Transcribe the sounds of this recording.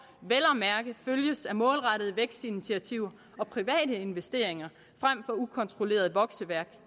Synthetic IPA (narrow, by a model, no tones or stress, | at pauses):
ʋelɐmæɐɡ̥ðføljəsæmɔ̽ːlʁɑ̈ɾ̥əðˠʋeɡ̥sd̥init͡sʰiæt͡sʰiʊ̰ɐ | ɒ̽pʰʁiʋɛ̰ːɾəe̝nʋesd̥e̝̰ːɐeŋɐ | fʁam̰fɒ̽ukʰɒ̽nt͡sʰʁo̝le̝̰ːɐð̩ˠʋɒ̽ɡ̥səʋæɐɡ̥